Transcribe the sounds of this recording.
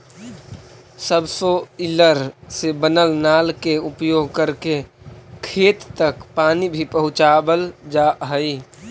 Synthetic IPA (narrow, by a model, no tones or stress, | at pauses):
səbsoɪləɾsebənəlnaːlkeʊpjoːɡ̚kəɾke | kʰeːt̪ːəkpaːnibʱipəɦʊ̃t͡ʃaːbəld͡ʒaːɦəi